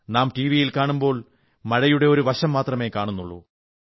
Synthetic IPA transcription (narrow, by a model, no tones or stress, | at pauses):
naːmʈiːʋijilkaːɳumbo̞ːɭ | mɐɻɐjuɽe̞o̞ɾuʋɐɕɐmːaːt̪rɐme̞ːkaːɳunːuɭːṵ